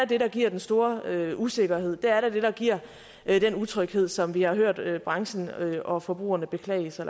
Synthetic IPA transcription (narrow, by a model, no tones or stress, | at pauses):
d̥e̝ɾɑ̈ɡ̥iɐ̰d̥ensd̥o̝ːɐøuse̝ɡ̥ɐhe̝ð̞̰ˠd̥eæɐɾed̥e̝ɾ̥ɑ̈ɡ̥iɐ̰ | d̥enut͡sʰʁœɡ̥he̝ð̰ˠsɒ̽mʋihɑ̈ɦøɐ̰d̥øb̥ʁɑ̈ŋɕn̩øʔɒ̽fɒ̽b̥ʁṵːɐnəb̥e̝kʰlɛ̰ɪəs